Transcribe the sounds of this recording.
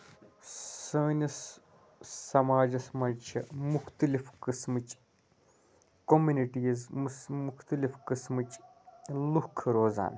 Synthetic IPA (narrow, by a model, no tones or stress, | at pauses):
sɐːnʲisː | ɐmaːd͡ʒɐsmɐt͡ʃʰimuxt̪ɨlifkɨsmɨt͡ʃ | komuniʈiːzmmuxt̪ɨlifkɨsmɨt͡ʃ | lukʰɾoːza̰ːn